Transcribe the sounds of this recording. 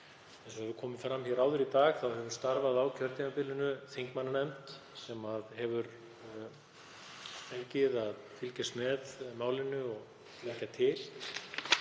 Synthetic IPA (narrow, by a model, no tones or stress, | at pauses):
ɛnsɔɛvʏɾkʰɔːmɪfɾamçɛɾaːwðʏɾit̪aːɣθawhɛvʏɾ̥st̪aɾvaðawcʰœɾt̪imapɪlːɪnʏθeŋkmanːanɛmt̪ | sɛmaðɦɛvʏɾ | t̪ʰelcɪðaðfɪlcɛst̪mɛðmaːwlɪnːʏɔɣ | lehcːat̪ʰɪl